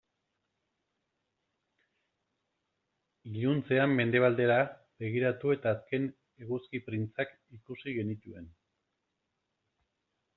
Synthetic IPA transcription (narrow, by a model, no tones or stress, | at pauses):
iʎunt͡se̞amːe̞nd̪e̞β̞ald̪e̞ɾa | be̞ɣiɾat̪ue̞t̪aːske̞n | e̞ɣuskipɾint͡sak | ikusiɣe̞nit̪ue̞n